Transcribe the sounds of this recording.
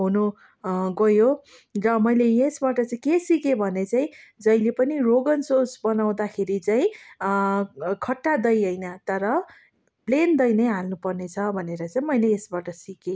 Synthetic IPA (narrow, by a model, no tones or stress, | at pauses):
ɦunu | ɡʌjo | rʌmʌjlejesbaʈʌt͡saĩkesikebʱʌnet͡saĩd͡zʌjlepʌniroɡʌnsosbʌnaw̃d̪akʰeɾit͡saĩ | kʰʌʈːad̪ʌjɦʌjnʌt̪ʌɾʌ | plend̪ʌjnʌjɦalnupʌrnet͡sʰʌbʱʌneɾʌt͡saĩmʌjleːsbaʈʌsike